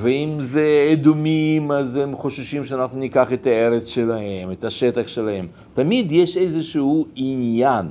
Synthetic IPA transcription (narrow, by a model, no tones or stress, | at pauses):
veimzeed̪umimazemχoʃʃimʃeanaχnunikaχet̪aeɾet͡sʃelahemet̪aʃet̪aχʃelahe̞m | t̪amid̪jeʃejzeʃuhuinjan